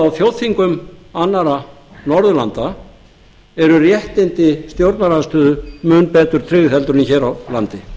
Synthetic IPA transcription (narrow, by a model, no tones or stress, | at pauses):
awθfjowðθiŋkʏmanːaɾanɔɾðʏla̰nt̪a | ɛɾʏrjɛht̪ɪnt̪ɪst̪jowɾt̪naɾaðst̪œːðʏmʏnpɛːt̪ʏɾ̥t̪ʰɾɪːɣθɛlt̪ʏɾʏniçɛːɾawlant̪ɪ